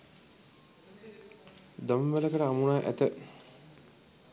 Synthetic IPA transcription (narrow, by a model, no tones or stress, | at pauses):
d̪omʋələkəʈəamunaːʔæ̰t̪ə